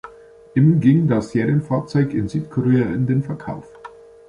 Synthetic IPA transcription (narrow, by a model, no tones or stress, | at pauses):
ʔɪmɡɪŋdasz̥eːʁijənfaːɐt͡sɔʏkɪnzyːtkʰɔʁeːaʔɪndeːnfɛɐkʰa̰ʊf